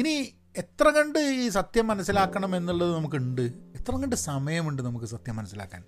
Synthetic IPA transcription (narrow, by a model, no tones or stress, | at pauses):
ini | e̞t̪rɐŋɐɳɖɨiːsɐt̪jɐmːɐnɐsːilaːkːɐɳɐme̞nːuɭːɐðɨnɐmukːuɳɖɨet̪ːrɐŋɡɐɳɖɨsɐmɐjɐmuɳɖɨnɐmukːɨsɐt̪jɐmːɐnɐsːila̰ːkːa̰ːn